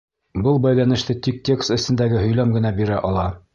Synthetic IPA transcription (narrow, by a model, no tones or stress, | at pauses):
bɤlˠbæjlænɘ̆ʃt̪ɘt̪ʲik̚t̪ʲe̞kst̪ɘ̆sɘ̆nd̪æɡɘɦɵ̆jlæmɡɘ̆næbiɾæʔɒlˠɑ